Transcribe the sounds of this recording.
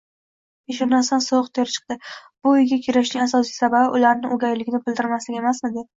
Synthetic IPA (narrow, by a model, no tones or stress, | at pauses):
eʃɒnasansoqt̪ʰeɾt͡ʃʰɨ̥q̚d̪ɪb̥ʊjɡʲakʲʰeɾɪʃnɪŋasɒsijsababɪʔʊlaɾnɪʔoɡʲajlɪɡʲɪnɪbɪld̪ɪɾmaslɪɡʲe̞masmed̪ɪ